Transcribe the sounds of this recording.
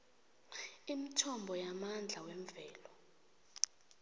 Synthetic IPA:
imitʰɔmbʱɔjamand͡ɮʱawɛɱvɛːlɔ

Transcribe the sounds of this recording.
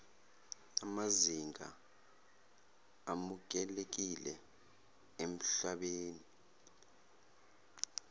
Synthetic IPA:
amaziŋʱa̰ | amuk̬ɛlek̬ilɛ | em̩ɬaɓeːni

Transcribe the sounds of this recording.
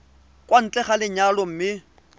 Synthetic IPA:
kʼwan̩t͡ɬʼɛχalɪɲalɔm̩mɪ

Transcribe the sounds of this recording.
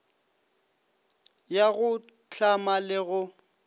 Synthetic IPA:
jaɣʊ | t͡ɬʰamalɪɣʊ

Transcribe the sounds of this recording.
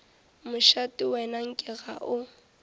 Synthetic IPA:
mʊʃatʼʊwɛnaŋ̩kʼɪɣaʔʊ

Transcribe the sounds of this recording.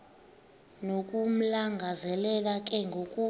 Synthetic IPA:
nokʼum̩laŋɡʱazɛlɛlakʼɛŋɡʱokʼu

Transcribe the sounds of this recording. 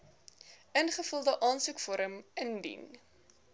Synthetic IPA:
ənχəfəlˠdəʔɑːnsukfɔɾəməndḭn

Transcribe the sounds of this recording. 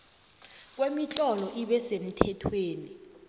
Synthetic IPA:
k̬wemit͡ɬʼɔlɔʔiɓɛsem̩tʰɛtʰweːni

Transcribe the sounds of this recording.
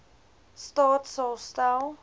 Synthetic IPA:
stɔtsosta

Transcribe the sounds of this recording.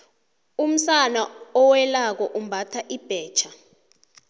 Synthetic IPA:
um̩sanaɔwɛlak̬ɔʔum̩bʱatʰaʔib̥ʱɛːt͡ʃʰa

